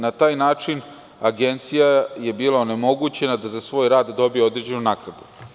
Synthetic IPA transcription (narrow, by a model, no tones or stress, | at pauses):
nat̪aːjnaːt͡ʂin | aɡe̞nt̪sijaje̞biːlˠaone̞mo̞ɡuːt͡ɕe̞nad̪azasʋo̞ːjɾaːd̪ːo̞bijeo̞d̪ɾeːd͡ʑe̞nunaːkɾad̪u